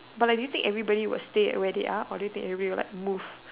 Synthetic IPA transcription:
batladujut̪ɪ̃ŋkɛvɹibɔɾiwɪ̰lsteɛ̰wɛdḛʔaʔɔdujutɪ̃ŋkɛvɹivɔɾiwɪla̰ɪk̚muv̥

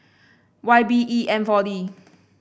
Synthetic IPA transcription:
waɪbiʔiɛ̃nfɔdi

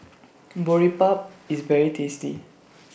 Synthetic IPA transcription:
bɔɹipap̚isvɛɹitʰestḭ

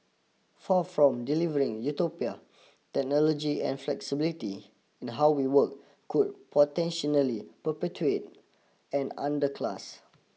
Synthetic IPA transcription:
fafɹɔ̃mdilivəɹĩŋjutopia | tɛk̚nɔlɔd͡ʒiɛ̰̃nflɛksibiliti | ĩnɦawwiwək̚ | kud̚pʰɔtɛ̃nʃɔnəlipəpɛtuet̚ | ɛ̃nã̰ndəkʰla̰s

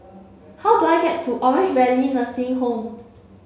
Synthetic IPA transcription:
hawduajɡɛttːuʔɔɹɪ̃nd͡ʒbɛliĩnəsiɪ̃ŋɦõm

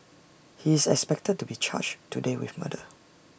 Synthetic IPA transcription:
hiɪsɛ̰kspɛk̚təd̚tubit͡ʃʰa̰t͡ʃtudewɪ̰θma̰də

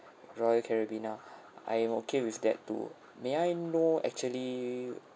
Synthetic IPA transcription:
ɹɔjəkʰɛɹəbĩna | ʔa̰jɛ̃mokʰewifdɛ̰tːṵ | meajnoɛ̰k̚t͡ʃuəli

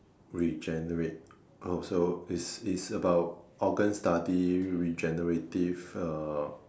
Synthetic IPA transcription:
ɹid͡ʒɛnəɹet̚ | osoisitsəbaʊt̚ɔɡə̃nstadiɹid͡ʒɛnəɹetivə

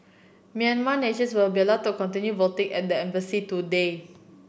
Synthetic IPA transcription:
mĩãnmaneʃə̃nswilbiəlaʊtukɔ̃ntĩnjubɔltĩŋɛ̰t̚dəɛ̃mbəsitude

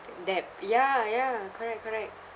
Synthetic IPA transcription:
dɛp̚jajakʰɔɹɛk̚ʰːɔɹɛk̚t̚

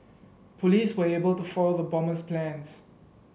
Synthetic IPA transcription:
pʰɔliswəebəltufɔloðəbɔməsplæ̃ns

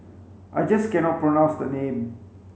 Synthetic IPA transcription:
ʔajd͡ʒʌskɛnɔt̚pɹonãʊ̃nsd̪ənẽːm

